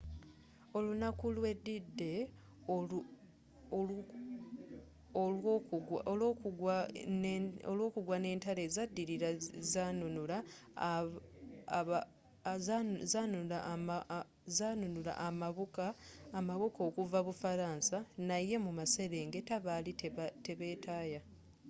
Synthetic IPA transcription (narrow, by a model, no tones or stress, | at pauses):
o̞lunakulwe̞dːidːe̞ | o | kuɡwa | olwo̞ːkuɡwane̞ːntale̞zadːiɾiɾazanunula | a | zazanunulam | zanunula̰ʔamaβukaːmaβuko̞ːkuvaβufaɾaːnsanaje̞mumase̞ɾe̞ːŋɡe̞taβalitte̞βe̞ːtaːja